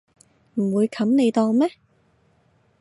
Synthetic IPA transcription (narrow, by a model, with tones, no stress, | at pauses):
m̩˨˩wuː˨˧jkʰɐ˨˥mne˨˧jt̪ɔː˧ŋmɛ˥